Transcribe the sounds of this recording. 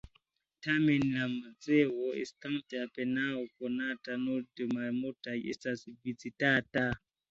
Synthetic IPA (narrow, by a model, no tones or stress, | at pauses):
tamɛnlaməd͡zewɔḭstaŋtapɛnaokɔnatanodəmamotajḛsasibit͡sitata